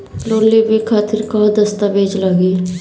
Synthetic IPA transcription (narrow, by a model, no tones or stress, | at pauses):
ɾoːlibikʰaːt̪ɪɾkɔːd̪ɐst̪abʱeːd͡ʒləɡi